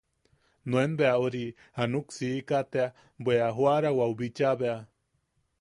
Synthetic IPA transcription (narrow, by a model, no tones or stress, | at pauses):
nuenbeauɾi | hanuksiːkat̪ea | bweaɦwaɾawaubit͡ʃaβea